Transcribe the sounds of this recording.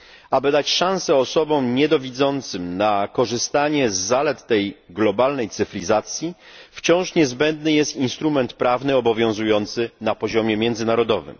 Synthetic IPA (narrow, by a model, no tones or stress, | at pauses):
abɘd̪at͡ɕʂãw̃sɛɔsɔbɔ̃mɲɛd̪ɔvʲid̪zɔnt̪sɘmnakɔʐɘst̪aɲɛzːalɛt̪ːɛjɡlɔbalnɛjt̪sɘfɾʲizat̪sʲjift͡ɕɔ̃w̃ʂɲɛzbɛnd̪nɘjɛst̪inst̪ɾumɛnt̪pɾavnɘɔbɔvʲjɔ̃w̃zujɔnt̪sɘnapɔʑɔmʲjɛmʲjɛnd̪zɘnaɾɔd̪ɔvɘ̰m